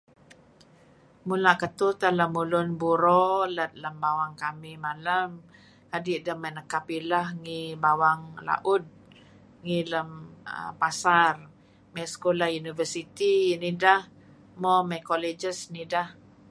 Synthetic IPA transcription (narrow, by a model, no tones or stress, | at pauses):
mulaʔkət̪ut̪alamulʊnbuɾɔlət̪̚ləmbawaŋkamimalam | kadiʔdəhmanəkapilahŋibawaŋla̰ʔʊd̪̚ | ŋiləmə̰pasar | majskolahjunivərsit̪inidah | mɔmakolid͡ʒəsnidah